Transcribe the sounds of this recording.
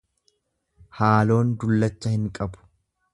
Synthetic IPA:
haːlo̞ːnd̪ʊlːɐt͡ʃːɐhɪŋkʼɐbʊ̥

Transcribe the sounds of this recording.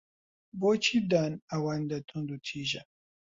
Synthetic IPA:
boːt͡ʃʰiːb̚d̪aːnɐwand̪ɐt̪ʰund̪ut̪ʰiːʒɐ

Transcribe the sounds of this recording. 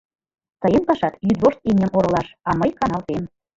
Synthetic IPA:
t̪ɤ̆jenpɑʃɑt̪jyd̪βoʃt̪̚inʲə̆moɾɤ̆lɑʃɑməjkɑnɑlt̪em

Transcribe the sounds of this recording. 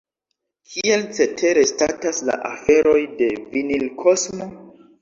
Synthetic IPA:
kʰie̞lt͡se̞tʰe̞ɾe̞statasla̰ʔafe̞ɾo̞jde̞vinilkʰo̞smo̞

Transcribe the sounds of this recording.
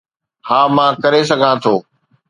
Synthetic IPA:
hãːmãːkɐɾes̬ɐɡʱãt̪ʰoː

